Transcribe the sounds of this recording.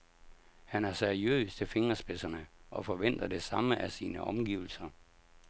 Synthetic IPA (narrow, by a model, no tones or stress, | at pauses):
hænæɐseɐiø̰ːst͡sʰe̝fe̝ŋɐsb̥e̝sɐnəʔɒ̽fɒ̽ʋen̰d̥ɐd̥e̝sɑ̈məʔæsiːnəʔɒ̽mɡ̥ḭːʊl̩sɐ